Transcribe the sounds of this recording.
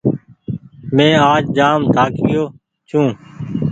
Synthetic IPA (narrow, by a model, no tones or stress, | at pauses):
mẽːaːd͡ʒd͡ʒaːmt̪ʰaːkɡɪjoː | t͡ʃʰũː